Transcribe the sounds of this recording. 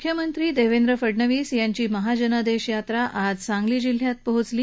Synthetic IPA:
kʰjəmənt̪ɾiːd̪eʋend̪ɾəfəɽɳəʋiːsjaɲt͡ɕiːməɦad͡ʑənad̪eɕjat̪ɾaʔad͡zt͡sãŋɡliːd͡ʑil̤jat̪̚pəɦut͡sliː

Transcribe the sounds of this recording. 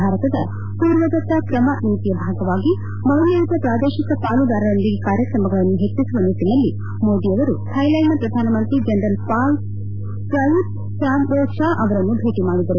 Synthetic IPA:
aːɾɐt̪ɐd̪ɐ̰ | puːɾʋɐd̪ɐt̪ːɐkɾɐmɐniːt̪ijɐbʱaːɡɐʋaːɡi | mɐɦlejit̪ɐpɾaːd̪eːʃikɐpaːlud̪aːɾɐɾɐnd̪iɡekaːɾjɐkɾɐmɐɡɐɭɐnːuɦet͡ʃːisuʋɐnit̪inɐlːi | moːd̪ijɐʋɐɾutʰɐjlɐjmɐpɾɐd̪ʱaːnɐmɐnt̪ɾid͡ʒenɾɐlpaːl | kɾɐjut | saːnbɔːʃaːʔɐʋɐɾɐnːubʱeːʈimaːɽid̪ɐɾu

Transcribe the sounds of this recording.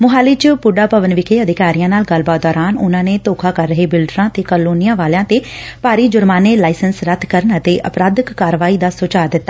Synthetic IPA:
mʊɦaːliːt͡ʃpʊɖaːpəʋənʋɪkʰeːəd̪ɪkaːɾijãːnaːlɡəlbaːt̪̚d̪ɔːɾaːnʊnãːneːt̪oːkʰaːkəɾːəɦeːbɪlɖɾãːt̪eːkəloːnɪjãːʋaːlãːt̪eːpaːɾiːd͡ʒʊɾmãːneːlaːɪsənsɾət̪ʰkəɾənət̪eːʔəpɾaːd̪əkːaːɾəʋaːiːd̪aːsoːt͡ʃaːd̪ɪt̪ːaː

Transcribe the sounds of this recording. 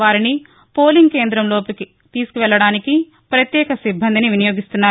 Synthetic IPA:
ʋaːɾini | po̞ːliŋɡ̚ke̞ːnd̪ɾɐmlo̞ːpiki | t̪iːsu̥kuʋɛɭːɐɽaːniki | pɾɐt̪jɛːkɐsibʱːɐnd̪iniʋinɐjo̞ːɡist̪unːaː

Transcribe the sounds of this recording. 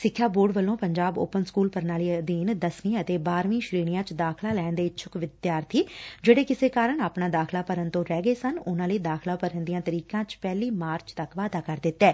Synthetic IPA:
sɪkʰːjaːboːɖʋəlːõːpəɲd͡ʒaːbo̰ːpənskuːlpəɾnaːliːd̪iːnd̪əsnĩːət̪eːbaːɾʋĩːʃɾiːɽ̃ɪjãːt͡ʃd̪aːkʰlaːlɛːnd̪eːt͡ʃʰʊkʋɪd̪jaːɾt̪ʰiːd͡ʒeːɽeːkɪseːkaːɾəɳaːpnãːd̪aːkʰlaːpəɾənt̪õːɾɛːɡəeːsənʊnãːləiːd̪aːkʰlaːpəɾənd̪ijãːt̪əɾiːkãːt͡ʃpɛːliːmaːɾt͡ʃt̪əkʋaːd̪aːkəɾd̪ɪt̪ːɛː

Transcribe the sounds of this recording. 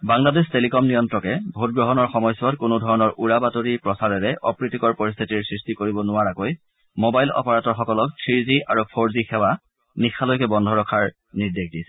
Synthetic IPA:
baŋladestelikɔmnijɔntɹɔkɛbʱot̚ɡɹɔɦɔnɔɹxɔmɔjsɔtkʊnudʱɔɹɔnɔɹʔuɹabatoɹipɹɔsaɹɛɹɛʔɔpɹitikɔɹpoɹist̪ʰitiɹsɹistikoɹibɔnʊwaɹakoj | mobajlɔ̰pɔɹatɔɹxɔkɔlɔk̚tʰɹizia̰ɹupʰoɹzixɛwa | nixʰalojkɛbɔndʱɔɹɔkʰaɹ | niɹdexdisɛ̥

